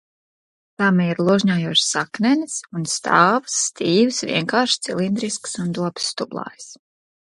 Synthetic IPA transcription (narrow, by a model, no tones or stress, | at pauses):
t̪aːmɛiɾlˠuʒɲaːjuɔʃsaknɛnisunst̪ʰaːvɨ̥sːt̪iːvɨsvʲḭɛŋkaːɾʃt̪silˠind̪ɾisksund̪uɔb̥sːt̪ublˠa̰ːjs